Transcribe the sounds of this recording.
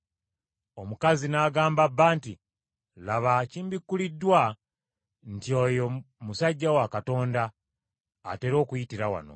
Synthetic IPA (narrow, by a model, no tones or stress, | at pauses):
o̞mukazinaːɡaːmbabːaːnti | laβaciːmbikːulidːwa | ntio̞jo | musaɟːawakato̞ːnda̰ː | te̞ɾo̞ːkujitiɾawa̰no̞̰